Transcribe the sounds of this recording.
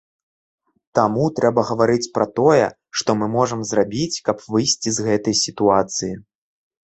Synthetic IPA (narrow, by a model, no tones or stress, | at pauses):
t̪amut̪ɾʔɛbɐɣɐvaɾɨt͡sʲpɾɐt̪ɔjɛ̰ | ʂt̪ɔmɨmɔʐɐmzrabʲit͡sʲkɐpvɨjsʲt͡sʲizɣɛt̪ɐjsʲit̪uat̪sɨji